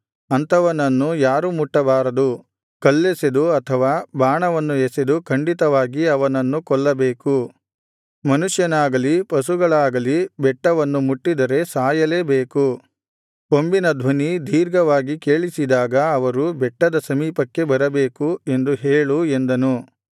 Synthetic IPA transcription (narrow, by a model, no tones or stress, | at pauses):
ɐnt̪ʰɐʋɐnɐnːujaːɾumuʈːɐbaːɾɐd̪u | kɐlːesed̪uɐt̪ʰɐʋaːbaːɳɐʋɐnːuesed̪ukʰɐɳɖit̪ɐʋaːɡiɐʋɐnɐnːukɔɭːɐbeːku | mɐnuʂjɐnaːɡɐlipɐsuɡɐɭaːɡɐlibɛʈːɐʋɐnːumuʈːid̪ɐɾe̞saːjɐle̞ːbeːku | ombinɐd̪ʱʋɐnid̪ʱiːɾɡɐʋaːɡike̞ːɭisid̪aːɡɐɐʋɐɾubɛʈːɐd̪ɐsɐmiːpɐkːe̞bɐɾɐbeːkue̞nd̪uɦeːɭue̞nd̪ɐnu